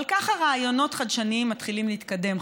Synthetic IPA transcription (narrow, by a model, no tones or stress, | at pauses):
lkaχaʁaːjo̞no̞tχad̪ʃaniimːat̪χilimliːt̪kade̞m